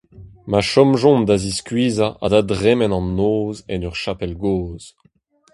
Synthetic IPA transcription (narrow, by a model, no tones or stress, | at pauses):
maʃɔmʒɔ̃nd̪aziskɥiːzaʔa̰dadʁɛmɛnɑ̃nːoːzɛnœʁʃapɛlɡoːz̥